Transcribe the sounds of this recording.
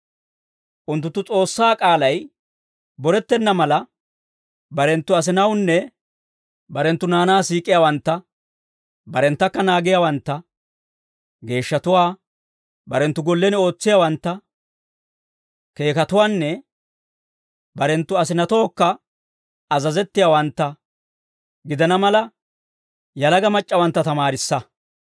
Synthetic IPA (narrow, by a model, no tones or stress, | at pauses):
ʔʊnt̪ːʊt̪ːʊt͡sʼo̞ːsːaːkʼaːlɐj | bɔɾɛt̪ːɛnːɐmɐlɐ | bɐɾɛnt̪ːʊɐs̬ɪnɐwnːɛ | bɐɾɛnt̪ːʊnaːnaːsiːkʼɪjaːwɐnt̪ːɐ | bɐɾɛnt̪ːɐkːɐnaːɡɪjawɐnt̪ːɐ | ɡe̞ːʃːɐt̪ʊwaː | bɐɾɛnt̪ːʊɡɔlːɛnɪo̞ːt͡sːɪjaːwɐnt̪ːɐ | ke̞ːkɐt̪ʊwaːnːɛ | bɐɾɛnt̪ːʊɐs̬ɪnɐt̪o̞ːkːɐ | ɐzɐzɛt̪ːɪjawɐnt̪ːɐ | ɡɪd̪ɐnɐmɐlɐ | jɐlɐɡɐmɐt͡ʃʼːɐwɐnt̪ːɐt̪ɐmaːɾɪsːɐ